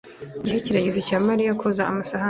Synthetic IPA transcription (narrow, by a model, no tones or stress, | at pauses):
ɟiɦeciɾaɟizicaːmaɾijakʰozaamasaha